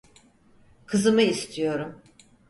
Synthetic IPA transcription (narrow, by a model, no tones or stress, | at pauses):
kʰɯzɯmɯist̪ʰijo̞ɾum